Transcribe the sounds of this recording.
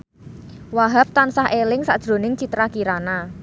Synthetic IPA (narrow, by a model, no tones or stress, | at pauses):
waɦap̚t̪ansaɦʔelɪŋsa̰ʔd̥ʒ̥ɾo̤nɪŋt͡ʃit̪ɾakiɾana